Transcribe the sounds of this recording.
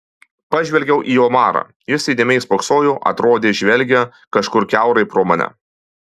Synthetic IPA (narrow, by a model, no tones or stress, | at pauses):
pɐʒʲʋʲɛlʲɡʲɛʊʔiːoːmɑːɾɑ̰ː | jɪsʲɛɪd̪ʲeːmʲɛɪspoksoːjuʔɐ̰t̪ɾoːd̪ʲeːʒʲʋʲɛlʲɡʲɛ | kɐʃkʊɾkʲæˑʊɾɐɪpɾoːmɐnʲɛ̰